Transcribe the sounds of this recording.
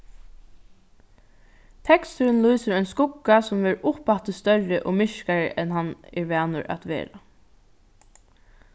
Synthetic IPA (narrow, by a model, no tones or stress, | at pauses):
t̪ʰɛkst̪əɾənluːsəɾɔjnskʊkːasʊmvɛːɾʊpat̪əst̪œɹɪʔɔmɪʃkaɹə̰ʔɛnɦanːɛ̰ɹʋæːnʊɹa̰t̪ʋḛːɾa